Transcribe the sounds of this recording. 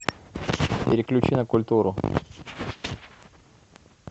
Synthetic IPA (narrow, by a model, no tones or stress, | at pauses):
pʲɪɾʲɪklʲʉt͡ɕinəkʊlʲt̪uɾʊ